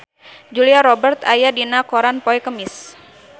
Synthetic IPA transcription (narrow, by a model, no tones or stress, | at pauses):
d͡ʒuliaɾɔbərt̪ajadinakoɾanpoɛkəmɪs